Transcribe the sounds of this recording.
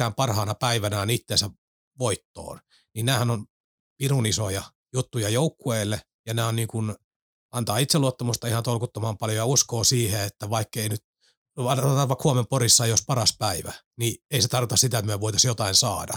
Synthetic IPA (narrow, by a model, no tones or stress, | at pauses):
æːmpɑrhɑːnɑpæiʋænæːnit̪ːeːnsæ | ʋoit̪ːo̰ːn | ninnæːhænon | pirunisojɑ | jut̪ːujɑjoukːueːlːe | jɑnæːonniːŋkun | ɑnt̪ɑːit̪seluot̪ːɑmust̪ɑihɑnt̪olkut̪ːomɑmpɑljojɑuskoːsiːheet̪ːæʋɑikːeinyt̪ | ɑnt̪ɑʋɑkhuomemporisːɑjospɑrɑspæiʋæ̰ | nieiset̪ɑrkot̪ɑsit̪æet̪myæʋoit̪ɑsjot̪ɑinsɑːdɑ̰